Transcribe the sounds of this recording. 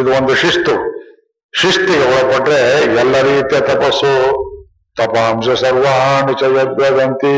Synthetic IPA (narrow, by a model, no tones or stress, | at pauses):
id̪uond̪uʃiʂt̪u | ʃiʂt̪iɡeɔɽɐpɐʈːɾeɛlːɐɾiːt̪jɐt̪ɐpɐsːu | t̪ɐpɐɐmsesɐɾʋaɦɐnit͡ʃɐjɐɐb̪ʱjad̪ɐnt̪i